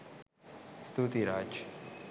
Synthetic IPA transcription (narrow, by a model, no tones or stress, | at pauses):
st̪ʰut̪iɾaːd͡ʒ